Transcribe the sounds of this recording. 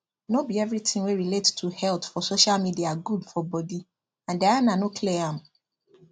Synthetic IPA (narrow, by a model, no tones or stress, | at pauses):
nobiɛvɹit̪ʰɪ̃ŋweɹilettʰuhɛltfɔsoʃalmidiaɡudfɔbɔdi | ãndeanãnokʰleãm